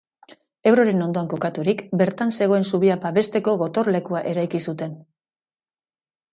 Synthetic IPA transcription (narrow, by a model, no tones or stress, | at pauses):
e̞wɾo̞ɾe̞no̞nd̪o̞aŋko̞kat̪uɾikbe̞ɾt̪anse̞ɣ̞o̞e̞nsuβiapaβe̞st̪e̞ko̞ɣo̞t̪o̞ɾle̞kuaʔe̞ɾajkisut̪e̞n